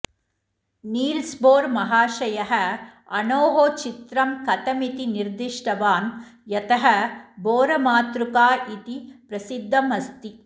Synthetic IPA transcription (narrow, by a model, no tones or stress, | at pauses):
niːlsboːɾmɐɦaːʃɐjɐɦɐ | ɐnoːɦoːt͡ʃit̪ɾɐmkɐt̪ɐmit̪iniɾd̪iʂʈɐʋaːnjɐt̪ɐɦɐboːɾɐmaːt̪ɾukaːit̪ipɾɐsid̪ʱːɐmɐst̪i